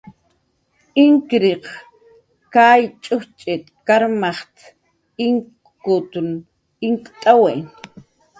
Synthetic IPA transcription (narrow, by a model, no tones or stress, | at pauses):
ɪŋkɾiq | kajt͡ʃʼʊht͡ʃʼɪt̪kaɾmaχt̪ | ɪŋ | kʊt̪ʊn | ɪŋkʼt̪ʼawe